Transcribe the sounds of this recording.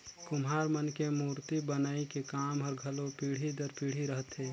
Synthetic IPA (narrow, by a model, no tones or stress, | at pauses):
kʊmɦaːɾmənkemuːɾt̪ibənaːikekaːmɦɔɾɡʱɐlopiːɽ̤id̪əɾpiːɽ̤iɾəɦt̪eː